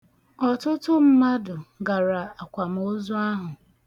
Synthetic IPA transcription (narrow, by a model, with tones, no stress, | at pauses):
ɔ˨tʊ˦tʊ˦m̩˦ma˦dʊ˨ɡa˨ɾa˨a˨kʷa˨m̩˨o˦zʊ˦a˦ɦʊ˨